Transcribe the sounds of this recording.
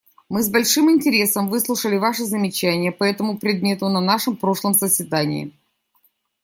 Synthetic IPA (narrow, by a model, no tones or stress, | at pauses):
mɨzbɐlʲʂɨmɪnʲtʲɪɾʲe̞səmvɨslˠʊʂəlʲɪvaʂɨzəmʲɪt͡ɕænʲɪjəpɐɛt̪əmʊpɾʲɪd̪̚mʲe̞t̪ʊnɐnaʂɨmpɾo̞ʂlˠəmsəsʲvʲɪd̪anʲɪ̰ɪ̰